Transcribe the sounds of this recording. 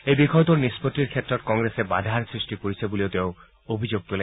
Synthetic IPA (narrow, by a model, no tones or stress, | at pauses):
ejbikʰɔjɔt̪uɹnispot̪ːiɾkʰet̪ːɾɔt̪̚kɔŋɾesebad̪ʱaɾsɹisʈikoɾit͡ɕʰeboliot̪eʊ | obʱid͡ʑoɡ̚t̪ule